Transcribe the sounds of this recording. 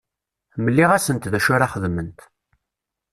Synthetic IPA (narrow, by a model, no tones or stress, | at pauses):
məlːiʁæsənt̪ðæʃʊɾaχəðmənt̪